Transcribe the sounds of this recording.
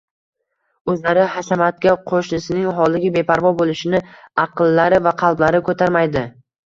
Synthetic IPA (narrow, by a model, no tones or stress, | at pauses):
ɵzlaɾɪhasamat̪̚kʲaqʰoʃnɪsɪnɪŋɦɒlˠɪɡʲɪbe̞pʰaɾvɒbolˠɪʃɪnɪɑqɨlːaɾɪvaqʰɑlˠblaɾɪkʰɵt̪ʰaɾmajd̪ɪ